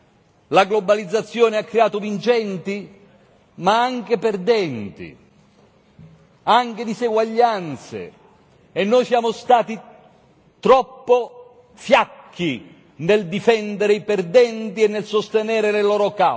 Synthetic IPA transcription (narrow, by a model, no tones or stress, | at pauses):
laɡlobalid̪zːat̪sːjɔːneakːɾeaːt̪ovint͡ʃɛnt̪i | maaŋk̟eperd̪ɛnt̪ḭ | aŋked̪iseɡwaʎːant̪sḛː | nːoːjsjaːmost̪aːt̪i | t̪ɾɔpːo | fjakʰːi | neld̪ifɛnd̪eɾeiperd̪ɛnt̪iɛnːelsost̪enɛːɾelelɔːɾoka